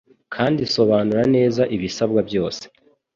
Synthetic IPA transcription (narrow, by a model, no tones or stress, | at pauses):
kʰaːndiso̞βaːnuɾane̞ːzaʔiβisab̚ɡabjo̞ːse̥